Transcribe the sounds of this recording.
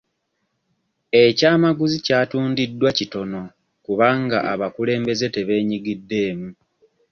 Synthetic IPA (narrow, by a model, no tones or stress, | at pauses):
e̞caːmaɡuzicaːtuːndidːwacito̞no̞ | kuβaːŋɡaʔaβakule̞ːmbe̞ze̞te̞βe̞ːɲiɡidːe̞ːmu